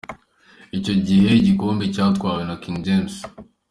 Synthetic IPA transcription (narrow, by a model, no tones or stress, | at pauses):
ico̞ɟihe̞ɟikoːmbecautkwaːwenakiŋɡɟems